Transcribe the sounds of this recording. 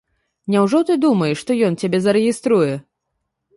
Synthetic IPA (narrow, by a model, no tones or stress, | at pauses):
nʲawʐɔt̪ɨd̪umɐjɛʂːt̪ɔjɔnt͡sʲabʲɛzɐɾɛɣʲist̪ɾujɛ